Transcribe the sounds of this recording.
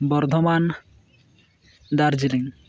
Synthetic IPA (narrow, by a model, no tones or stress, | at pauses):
bɔɾd̪ʱɔman | d̪aɾd͡ʒiliŋ